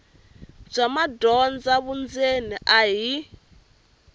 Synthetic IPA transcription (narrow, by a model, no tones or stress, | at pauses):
b͡ʐʷamadɔnd͡zaβund͡zeniʔaɦi